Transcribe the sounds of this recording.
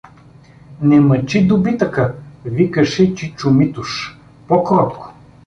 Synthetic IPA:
nɛmɐt͡ʃid̪ʊbit̪əkəvikəʃɛt͡ʃit͡ʃʊmit̪uʃ | pɔkɾɔt̪kʊ̥

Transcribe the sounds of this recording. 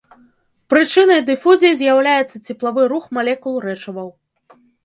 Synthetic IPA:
pɾɨt͡ʂɨnɐjd̪ɨfuzʲijizʲjawlʲajɛt̪sːɐt͡sʲɛplˠavɨɾuxmalʲɛkulˠrɛt͡ʂɐvɐw

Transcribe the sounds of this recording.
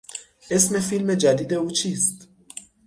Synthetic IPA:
ɛsmɛfilmed͡ʒɐd̪id̪ɛut͡ʃist̪

